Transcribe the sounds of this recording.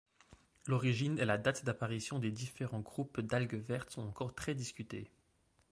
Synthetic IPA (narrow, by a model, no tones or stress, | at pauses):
lɔʁiʒinɛlad̪at̪d̪apaʁisjɔ̃d̪ed̪ifeʁɑ̃ɡʁupd̪alɡəvɛʁt̪sɔ̃t̪ɑ̃kɔʁt̪χɛd̪iskʲyt̪ḛ